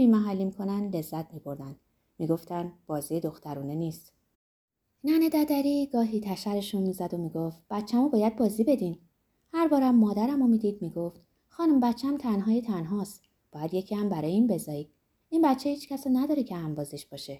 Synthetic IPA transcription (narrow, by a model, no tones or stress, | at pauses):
biːmæɦælːimikʰo̞nænd̪le̞zːæt̪ʰmiːbʰo̞ɾd̪ænd̪ | miːɡo̞ft̪ʰænd̪b̥ɒːziːjed̪o̞xt̪æɾuːne̞niːst̪ | næned̪æd̪æɾiːɡɒːɦiːt̪ʰæʃæɾe̞ʃunmiːzæd̪o̞miːɡoft̪̚b̥æt̪t͡ʃʰːæmubɒːjæd̪̚bɒːzibe̞d̪in | hæɾbɒːɾæmːɒːd̪æɾæmomiːd̪iːd̪miːɡoft̪ | xɒːnumbæt̪t͡ʃʰːææmt̪ʰænɦɒːjet̪ʰænɦɒːst̪ | b̥ɒːjæd̪je̞cʰiːhæmbæɾɒːjeiːnbe̞zɒːjid̪ | inbæt̪t͡ʃʰːehiːt͡ʃcʰæsɒnæd̪ɒːɾecʰehæmbɒːzeʃb̥ɒːʃe̞